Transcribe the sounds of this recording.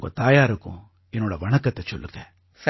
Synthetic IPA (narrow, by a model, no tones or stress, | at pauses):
kṵt̪aːjaːɾukṵ̃ | enːoːɽɐʋɐɳɐkɐt̪ːet͡ʃo̰lːuke | s